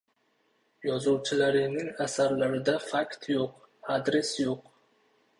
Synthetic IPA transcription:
jɒzɒwt͡ʃʰɪlaɾɪnɪŋasaɾlaɾɪd̪afakt̪ʰjoq | ad̪ɾe̞sjoq

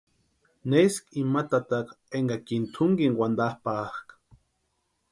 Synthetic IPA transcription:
neskimat̪at̪ak | eŋɡakint̪ʰʊŋɡiŋwʷand̪ahpaχkḁ

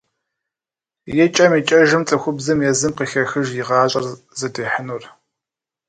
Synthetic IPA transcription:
jɛt͡ʃʼɐmiːt͡ʃʼɐʒɨmt͡sʼɐxʷʊbzɨmjɛzɨmqixɐxɨʒjɪʁɑːɕʼɐr | zɐdeːħənur

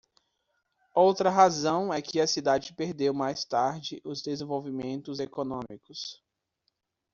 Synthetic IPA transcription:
owt̪ɾɐɦazɐ̃w̃ɛkʰɪɐsid̪ad͡ʒɪpeɾd̪ewmajst̪aɾd͡ʒɪʔʊzd̪ezẽvowvimẽnt̪ʊzekonõmikʊs

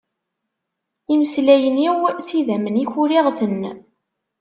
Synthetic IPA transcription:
iməslæjəniwsiðæməniçʊɾiʁθənː

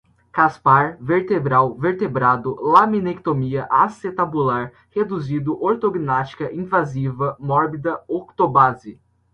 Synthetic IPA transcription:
kaspaɾveɾt̪ebɾawveɾt̪ebɾad̪ʊlamĩnekt̪omiɐʔaset̪abulaɾ | hed̪uzid̪ʊʔoɾt̪oɡinast͡ʃi̥kɐʔĩvazivɐmɔɾbid̪ɐokt̪obazɪ

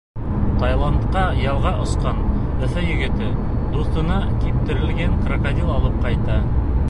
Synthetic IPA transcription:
t̪ɑjlˠɑnt̪qɑjɑlˠʁɑʔŏsqɑn | ɵ̆θɘjɵ̆ɡɘ̆t̪ɘ | d̪uθt̪ɤ̆nɑkip̚t̪ɘ̆ɾɘ̆lɡæŋqrakad̪ʲilˠɑlˠɤp̚qɑjt̪ɑ

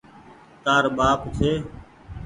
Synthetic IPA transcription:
t̪aːɾɓaːpsʰeː

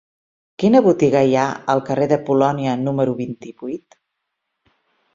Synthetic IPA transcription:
kinəβut̪iɣəjaəlˠkəreðəpulɔniənuməɾuβint̪iβujt̪

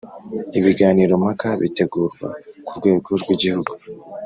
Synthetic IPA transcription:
iβiɡaːniːɾo̞mhakaβḭte̞ɡuːɾɡwa̰kuɾɡwe̞ːɡoɾɡwiɟihuɡu

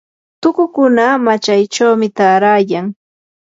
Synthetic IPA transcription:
t̪ʊkʊkʊnamat͡ʃajt͡ʃawmɪt̪aːɾaːjaŋ

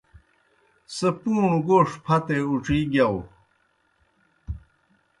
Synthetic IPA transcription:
sepuːɳuɡoːʂpʰɐt̪euʈ͡ʂiːɡaw

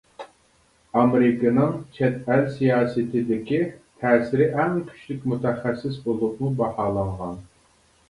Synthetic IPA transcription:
ɑmɾɪkɨnɨŋt͡ʃʰɛt̪ælsijɑːsɨt̪ʰɪd̪ɪkʲit̪ʰɛːsɪɾɪʔɛŋkʲʰy̥ʃlykʲmut̪ʰɛχæsːɪsbolˠʊqmubɑhɑːlˠɑɴʁɑn

